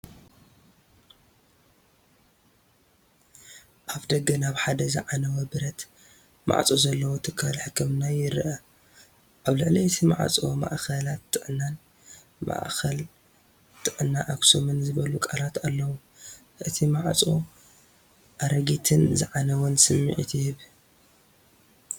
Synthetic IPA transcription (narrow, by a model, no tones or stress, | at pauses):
ʔaβd̪ɐɡɐnaβħad̪ɐzɨ̰ʕanɐwɐbɨɾɐt̪ | mʔa̰ʕt͡sʼozɐlːɐwot̪ʰɨkʰːalħɨkʰːɨmnajɪɾʔɐ | ʔaβlɨʕliɨt̪ʰima̰ʕ̰t͡sʼoma̰ʔkɐlat̪ʼːɨʕnːan | ma̰ʔxʰɐl | t̪ʼɨʕnːaʔaɡsomɨnzɨβɐlukʼalat̪alːɐwu | ʔɨt̪ʰimaʕt͡sʼo̰ | ʔaɾɐɡit̪ʰɨnzɨ̰ʕanɐwɔnsɨmːḭʕḭt̪ʰjɪhɨβ